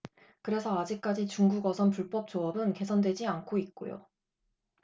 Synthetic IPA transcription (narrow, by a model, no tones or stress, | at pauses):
kɯɾe̞sʰʌad͡ʑik̚k͈ad͡ʑit͡ɕuŋɡuɡʌsʰʌnpuɭp͈ʌp̚t͡ɕ͈oʌbɯnke̞sʰʌndwe̞d͡ʑiankʰoit̚k͈o̰jo̰